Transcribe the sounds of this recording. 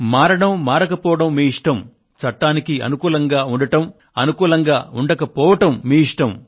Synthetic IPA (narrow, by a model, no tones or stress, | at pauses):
maːɾɐɽɐmːaːɾɐkɐpɔːʋɐɽɐmːiːiʂʈɐm | t͡ʃɐʈːaːnikiɐ̰nukuːlɐŋɡaːuɳɖɐʈɐm | ɐnukuːlɐŋɡaːuɳɖɐkɐpɔːʋɐʈɐmːiːiʂʈɐm